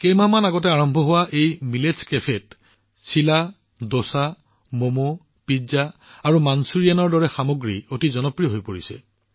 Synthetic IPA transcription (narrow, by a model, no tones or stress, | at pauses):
kejmamanaɡɔt̬ɛaɹɔmbʱɔɦʊwaʔejmileskepʰɛt | sila | dosa | momo | pizaːɹumansuɹijanɔɹdɔɹɛxamoɡɹiotizɔnɔpɹijɔɦojpoɹisɛ̰